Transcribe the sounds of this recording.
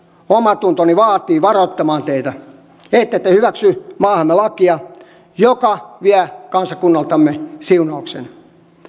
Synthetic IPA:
omɑt̪unt̪oniʋɑːt̪iːʋɑrot̪ːɑmɑːnt̪eit̪æ | et̪ːet̪ːehyʋæksymɑːhɑmːelɑkiɑ | jokɑʋiækɑnsɑkunːɑlt̪ɑmːesiunɑuksḛn

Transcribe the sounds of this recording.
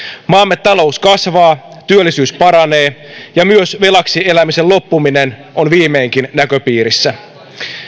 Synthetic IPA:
mɑːmːet̪ːɑlo̞uskɑsʋɑːt̪yølːisyːspɑɾɑne̞ːjɑmyøsʋe̞lɑksie̞læmise̞llo̞pːuminenʔonʋiːme̞ːŋkinnækøpiːɾisːæ

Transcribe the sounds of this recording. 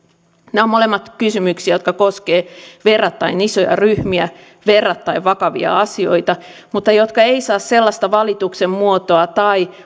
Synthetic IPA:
neomolemːɑt̪kysymyksiæjot̪kɑkoskeːʋerːɑt̪ːɑinisojɑ̰ryhmiæ | ʋerːɑt̪ːɑiʋʋɑkɑʋḭɑ̰ɑsio̞̰it̪ɑ | mut̪ːɑjot̪kɑeisɑːsselːɑst̪ɑʋɑlit̪uksemmuot̪oɑt̪ɑi

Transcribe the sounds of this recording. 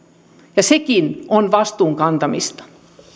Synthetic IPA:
jɑsekinʔonʋɑst̪uːŋkɑnt̪ɑmḭst̪ɑ̥

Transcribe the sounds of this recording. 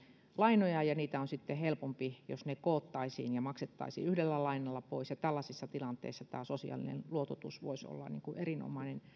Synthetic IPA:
lɑinojɑjɑniːt̪æonsit̪ːehelpompijo̰snekoːt̪ːɑisḭːnjɑmɑkset̪ːɑ̰isḭːyhdelːælɑinɑlːɑpoisjɑt̪ælːɑsisːɑt̪ilɑnt̪ḛˑisːɑt̪æ̰ːsosḭɑ̰lḭnḛnluot̪ot̪ṵsʋo̰iso̰lːɑ̰nḭːŋkuʔerino̰mɑinen

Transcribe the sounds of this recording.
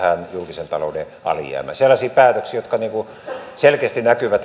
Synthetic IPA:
hænjulkisent̪ɑloude | ɑ̰ljæ̰ːmæ̰selːɑsiːpæːt̪øksiːjot̪kɑniːŋku | selkeːst̪inækyʋæt̪

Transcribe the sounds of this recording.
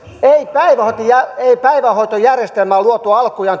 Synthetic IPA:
eipæiʋæhot̪ojæeipæiʋæhoit̪ojærjest̪elmæːˑluot̪uɑlkujɑn

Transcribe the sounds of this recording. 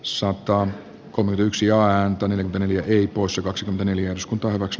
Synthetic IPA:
sɑt̪ɑ | kolmekymet̪yksijɑæːnt̪æneljækyent̪neljæʔeipoˑisjɑkɑksikyment̪æneljæeryskunt̪ɑːhyʋæks

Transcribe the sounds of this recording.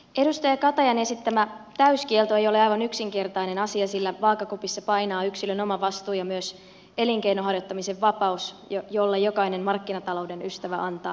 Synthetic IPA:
ʔe̞dust̪ɑjɑkɑt̪ɑjɑnesit̪t̪ːæmæt̪æyskielt̪oe̞jo̞leɑjʋɑnyksiŋke̞rt̪ɑine̞nɑsiɑsilːæʋɑːkːɑkupisːɑpɑjnɑːyksiløno̞mɑʋɑst̪uːjɑmyøs | e̞liŋk̟einoɦɑrjot̪ːɑmiseʋːɑpɑusjojo̞lːɑjo̞kɑinemmɑrkːinɑt̪ɑlo̞wde̞nyst̪æʋæʔɑnt̪ɑ̰ː

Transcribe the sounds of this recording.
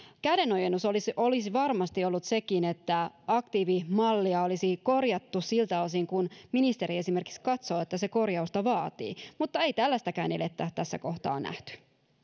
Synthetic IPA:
kædeno̞jenːusolisolisiʋɑrmɑst̪io̞lːut̪se̞kine̞t̪ːæɑkt̪iːʋimɑlːiɑo̞lisiko̞rjɑt̪ːusilt̪æo̞s̬iŋkunminist̪e̞ɾie̞sime̞rki̥kskɑt̪so̞ːet̪ːæseko̞rjɑust̪ɑʋɑːt̪ḭːmut̪ːɑe̞jt̪ælːæst̪ækæːnelet̪ːæt̪æsːæ̰ko̞ht̪ɑ̰ːnæ̰ht̪y̥

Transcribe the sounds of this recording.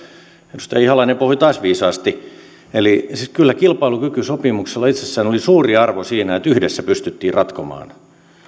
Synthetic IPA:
enust̪ɑjɑihɑlɑinempohit̪ɑːsʋiːsɑːst̪i | elisikylːækilpɑilukykysopimukselːɑit̪sesːæːnolisuːriɑrʋosiːnæet̪yhdesːæpyst̪yt̪ːiːrrɑt̪komɑ̰ːn

